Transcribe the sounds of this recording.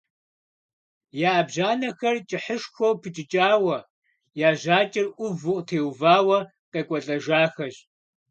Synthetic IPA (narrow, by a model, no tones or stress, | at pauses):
jaːbʑaːnɐxɐrt͡ʃʼɪħəʂxʷowpʰɨt͡ʃʼɪt͡ʃʼaːwɐ | jaːʑaːt͡ʃʼɪrʔʷʊvʊqʼtʰeːwvaːwɐ | qʼeːkʷʼɔɬʼɐʒaːxɐʑ